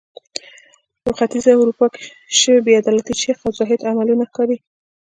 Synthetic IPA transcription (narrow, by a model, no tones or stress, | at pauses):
pəxat̪izawɾupɑke̥ | ʃəwebead̪ɑlat̪it͡ʃexazɑɦɪd̪amalunaxkɑɾi